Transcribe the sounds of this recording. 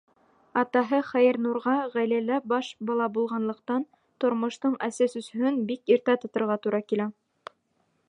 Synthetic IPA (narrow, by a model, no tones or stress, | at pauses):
ɑt̪ɑɦɤχæjɘ̆ɾnuɾʁɑʁæjlælæbɑʃbɑlˠɑbulˠʁɑnlˠɤ̆qt̪ɑn | t̪ŏɾmŏʃt̪ɤɴæsæsɵ̆shɵnbikiɾt̪æt̪ŏt̪ɤ̆ɾʁɑt̪uɾʔɑkilæ